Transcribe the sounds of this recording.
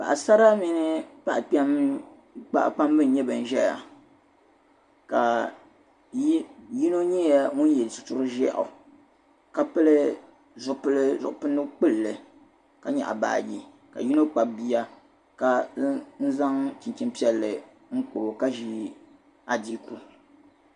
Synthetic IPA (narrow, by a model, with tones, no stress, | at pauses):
pa̰˨ʔa˨sa˦ɾa˦mi˦nɨ˦pa˦ʔk͡pɛ˦m | k͡pa̰˦ʔk͡pa˦m˦bɨ˦n˨ɲɛ˦bɨ˨n̩˨ʒɛ˦ja̰˨ | ka˨˦ | ji˦no˦ɲɛ˦ja˦ŋu˦n˦jɛ˨lsɨ˨tʊ˦ɾɨ˦ʒɛ˦ʔʊ̰˨ | ka˦pɨ˦lɨ˦ | zʊ˨ʔpɨ˦lɨ˦zʊ̰˨ʔʊ˨pɨ˦nːɨ˦k͡pɨ˦lːɨ˨ | ka˦ɲa̰˨ʔa˨ba̰ː˨ji˨ | ka̰˨ji˦no˦k͡pa˨bi˦a˦ | ka˦n̩˦za˦ŋt͡ʃi˨nt͡ʃi˦mpi˦ɛ˦lːɨ˨ | ŋ̩˦ko˨ka˦ʒi˦ | a˨di˦ku˦